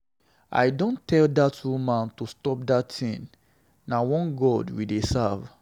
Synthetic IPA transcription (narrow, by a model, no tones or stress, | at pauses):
a̰jdõntʰɛldatumãntustɔp̚datʰĩn | nawɔ̃nɡɔdwidesav